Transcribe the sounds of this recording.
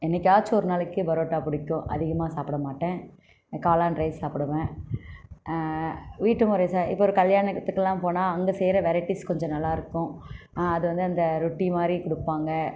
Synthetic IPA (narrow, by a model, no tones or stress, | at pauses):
ɛnːɛkːaːt͡ʃːɔɾɯnaːlɛkːɯbɐɾoːʈːaːpʊɽɪkːʊ̃ʔɐ̰ðɪɣɐmaːsaːpɪɽɐmaːʈːẽː | kaːlaːnɾɐɪssaːpɪɽɯʋẽ | ʋiːʈːɯmʊɾɐsaːɾɪ̰pːɔɔɾɯkɐljaːɳɐt̪ːɯkːɛlːãːpoːnaːɐŋɡɐsɛjɾɐʋɛɾɐɪʈːiskɔɲd͡ʒɔ̃nɐlːaːɪɾɯkːʊ̃ | ɐðɯʋɐnd̪ɯɐnd̪ɐɾʊʈːimaːd̪ɾikʊɽɯpːaːŋɡɐ